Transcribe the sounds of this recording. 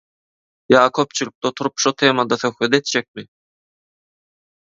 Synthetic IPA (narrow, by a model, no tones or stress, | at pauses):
jɑːkʰøp̚t͡ʃʰylʲyk̚t̪ot̪ʰuɾupʃot̪ʰe̞ːmɑd̪ɑθø̞xwet̪e̞t̪̚d͡ʒek̚mɪ